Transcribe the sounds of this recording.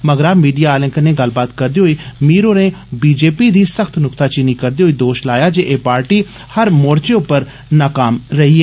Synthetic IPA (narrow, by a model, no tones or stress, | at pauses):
məɡɾaːmiːɖijaːlɪ̃ŋkəneːɡəlbaːt̪kəɾd̪iːɦoːiːmiːɾoːneːbiːd͡ʒeːpiːd̪iːsəkʰt̪ʰnʊkt̪aːt͡ʃɪniːkəɾd̪iːoːiːd̪oːʃlaːjaːd͡ʒeːʔeːpaːɾʈiː | həɾmoːɾt͡ʃeːʊpːəɾ | naːkaːmɾəɦiːɛː